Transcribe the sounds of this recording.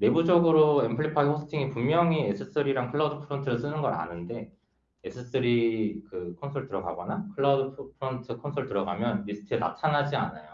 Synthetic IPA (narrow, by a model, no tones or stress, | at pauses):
ɾe̞bud͡ʑʌɡɯɾoe̞mpʰɯɭːipʰaiosʰɯ̥tʰiŋipumːjʌŋiesʰɯs͈ɯɾiɾaŋkʰɯɭːaudɯpʰɯɾontʰɯɾɯɭs͈ɯnɯnɡʌɾa̰nɯnde̞ | esʰɯs͈ɯɾikɯkʰonsʰoɭtɯɾʌɡa̰ɡʌnakʰɯɭːadɯpʰpʰɯɾontʰɯkʰonsʰoɭtɯɾʌɡa̰mjʌnbisʰɯ̥tʰɯena̰tʰanad͡ʑia̰najo